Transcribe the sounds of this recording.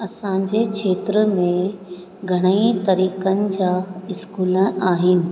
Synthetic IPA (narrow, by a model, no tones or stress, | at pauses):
ɐsãːɲd͡ʑekʰeːt̪ɾəmẽ | ɡʱɐɽ̃əit̪ɐɾiːkənɪ̆d͡ʑaːɪskuːləʔaːɦɪnɪ̆